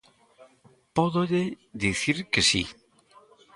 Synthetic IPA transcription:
pɔðoʎe | ðiθiɾkesḭ

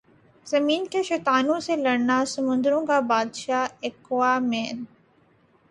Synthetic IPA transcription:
zɐmiːnkʰeːʃeːt̪aːnũsẽlɐɽnasɐmʊ̃nd̪ɾũkaːbaːd̪ʃaːekwaːmẽːn

